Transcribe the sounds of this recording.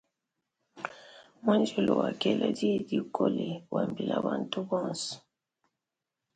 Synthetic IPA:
ma˦nd͡ʒɔ˦lo˨wa˨kɛ˨la˨di˦˨di˦kʰo˦le˨wa˨mbi˨la˨βa˨ntu˦bɔ˦˨nsɔ̥˨

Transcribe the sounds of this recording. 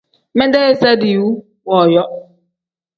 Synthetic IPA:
mɛ˦nde˦e˦sa˦di˨u˦ | wɔ˨jɔ˦

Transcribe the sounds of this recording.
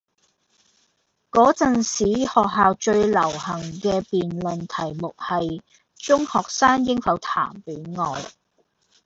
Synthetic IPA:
kɔː˨˥t͡sɐ˨nsiː˨˥hɔː˨k̚ɦaː˨wt͡ʃɵ˧ɥlɐ˨˩whɐ˨˩ŋkɛː˧piː˨nlɵ˨nt̪ʰɐ˨˩jmʊ˨k̚hɐ˨j | t͡sʊ˥ŋhɔː˨k̚saː˥ŋjɪ˥ŋfɐ˨˥wt̪ʰa̰ː˨˩mpiː˨˥nŋɔː˨j

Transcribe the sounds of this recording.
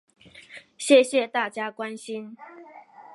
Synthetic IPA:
ɕjɛ˥˨ɕjɛ˥˨t̪a˥˨t͡ɕja˦˥kwa˦nɕi˦n

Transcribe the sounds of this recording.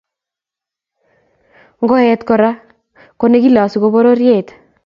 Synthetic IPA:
ŋɡɔ˦ɛ˦tkɔ˨ɾa˦ | ko˦ne˦ki˦la˨si˨ko˦bo˦ɾo˦ɾje˦˨t

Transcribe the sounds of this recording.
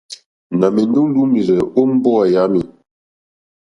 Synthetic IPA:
na˨mi˨ndu˦ŋlu˦mi˨zɛ˨o˦m̩˦bɔ˦˨ja˦mi˨

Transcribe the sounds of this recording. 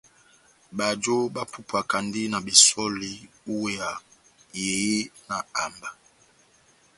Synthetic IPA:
ba˨d͡ʒo˦ba˦pu˦pu˨a˨ka˨ndi˦na˨bi˨sɔ˦li˦ | u˦we˦ja˨ | je˨je˦na˨a˨mba˨

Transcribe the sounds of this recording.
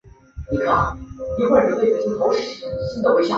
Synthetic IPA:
ni˨˩kʰa˥˩ni˧˥kxwa˥˩ɪɻə˧˥nle˥˩ɪ˨˩i˥t̪ʰo˥ʊʂɻ̩˥˨˩ɕi˥nd̪ə˨we˧˥ɪɕjɑ̰˨˩

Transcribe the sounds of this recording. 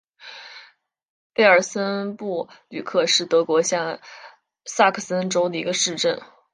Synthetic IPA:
pe˥˩ɪə˞˨˩sə˥npu˥˩ly˨˩kʰɤ˥˧ʂɻ̩˥˩t̪ɤ˧˥kwɔ˧˥ɕjɑ˥˧ŋ | sa˥˧kʰə˥˩sə˥nʈ͡ʂo˥ʊd̪ə˨i˧˥ɡə˧ʂɻ̩˥˧ʈ͡ʂə˥˩n

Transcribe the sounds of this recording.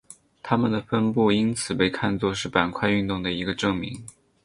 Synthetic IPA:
t̪ʰa˥mə˨nd̪ə˩fə˥npu˥˩i˥nt͡sʰɹ̩˨˩pe˥˧ɪkʰa˥˧nt͡swɔ˥˧ʂɻ̩˥˩pa˨˩nkʰwa˥˧ɪy˥˧nt̪ʊ˥˩ŋd̪ə˩i˧˥ɡə˧ʈ͡ʂɤ˥˩ŋmi˧˥ŋ

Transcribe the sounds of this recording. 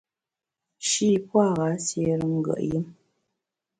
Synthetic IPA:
ʃi˦˨pwa˦˨ɣa˨˦sje˦ɾə˦ŋ̩˦ɡə̰˨ʔji˦m

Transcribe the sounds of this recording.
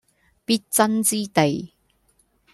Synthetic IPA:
piː˥t̚t͡sɐ˥nt͡siː˥t̪e˨j

